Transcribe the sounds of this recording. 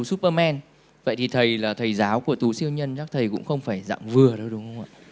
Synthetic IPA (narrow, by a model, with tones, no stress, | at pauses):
u˨˦su˦˥p̚əː˧mɛ˧n | və̰˧˨jt̪ʰi˨˩t̪ʰə˨˩jlaː˨˩t̪ʰə˨˩jzaː˨˦wku˧˩ət̪u˨˦si˧əwɲə˧nt͡ɕaː˦˥k̚t̪ʰə˨˩jkʊ̰˧˥ŋ͡mxə˧wŋ͡mfaː˧˩jza̰ː˧˨mvɨ˨˩əɗə˧wɗʊ˨˦ŋ͡mxə˧wŋ͡mʔa̰ː˧˨